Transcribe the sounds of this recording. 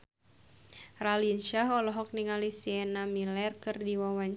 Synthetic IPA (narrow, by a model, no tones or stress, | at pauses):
ralinʃaɦɔlɔɦɔk̚niŋalisiɛnamilɛrkɨrdiwawaɲ